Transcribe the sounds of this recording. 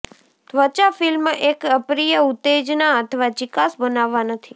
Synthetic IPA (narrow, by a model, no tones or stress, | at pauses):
t̪ʋət͡ʃafɪlmekəpɾijəut̪ːed͡ʒnaət̪ʰəʋad͡ʒɪkasbənaʋːanət̪ʰi